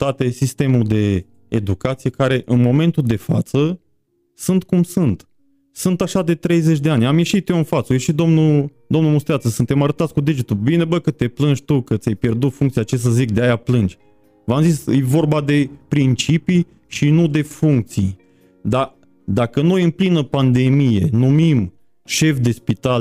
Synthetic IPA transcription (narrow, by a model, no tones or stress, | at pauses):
t̪at̪esist̪e̞muld̪e̞ː | d̪ukat̪sije̞kaɾe̞ʔɨnmo̞me̞nt̪uld̪e̞fat̪sə | sunt̪kumsunt̪ | sunt̪aʃad̪e̞t̪ɾe̞jze̞t͡ʃʲd̪eanʲamje̞ʃit̪joɨnfat̪səojeʃit̪̚d̪omnud̪omnumust̪ɾeat̪səsɨnt̪e̞maɾət̪at̪sʲkud̪id͡ʒit̪ulbine̞bəkət̪e̞plɨnd͡ʒʲt̪ukət̪sʲajpje̞rd̪ut̪fuŋk̚t̪siat͡ʃes̬əzik̚d̪eajaplɨnd͡ʒʲ | vamzisjevo̞rbad̪e̞pɾint͡ʃipi | ʃinud̪e̞fuŋk̚t̪sij | d̪a | d̪akəno̞jɨnplinəpand̪e̞mije̞numim | ʃe̞fd̪e̞spit̪al